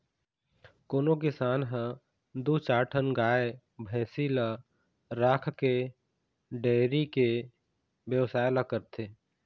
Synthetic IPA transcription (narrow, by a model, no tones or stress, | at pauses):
koːnokɪsaːnɦə̃ | d̪ut͡ʃaːʈʰənɡaːe | bʱɛ̃ːsila | ɾaːkʰke | ɖeːɾike | bjəwsaːɪlakəɾt̪ʰeː